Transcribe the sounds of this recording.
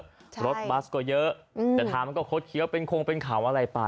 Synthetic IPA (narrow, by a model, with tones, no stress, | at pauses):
ɾo˦˥t̪̚ba˦˥skɔː˥˩jɤ˦˥ʔt̪ɛː˨˩t̪ʰaː˧˩ma˧nkɔː˥˩kʰo˦˥t̪̚kʰi˦əwpe˧nkʰo˧ŋpe˧nkʰaː˩˦wʔa˧ɾa˧jpa˨˧˩